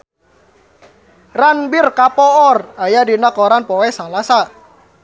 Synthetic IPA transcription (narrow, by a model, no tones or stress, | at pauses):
ranbɪrkapɔɔrajadinakɔɾanpɔwɛsalasa